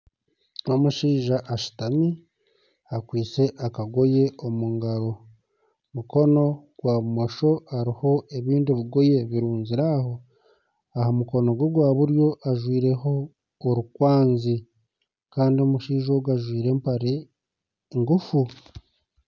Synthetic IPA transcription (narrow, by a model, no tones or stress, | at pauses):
o̞muʃiːʒaʔaʃi̥tami | akwiːt͡se̞ʔakaɡo̞jeomuŋɡaɾo̞ | muko̞no̞ɡ̥waːβumo̞ʃo̞aɾiho̞e̞βiːndiβiɡo̞je̞βiɾuːnziɾaho̞ | aɦamuko̞no̞ɡwoɡwaːβuɾjo̞ʔaʒwiːɾe̞ɦo̞ː | ɾukwaːnzi | kaːndio̞muʃiːʒoɡaʒwiːɾe̞ːmpaɾe | ŋɡufu